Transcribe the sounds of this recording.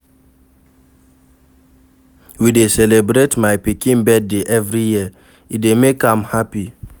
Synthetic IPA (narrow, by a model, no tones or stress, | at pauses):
widesɛlebɾetmajpikĩnbɛd̚deʔɛvɹiji | idemekãmhapi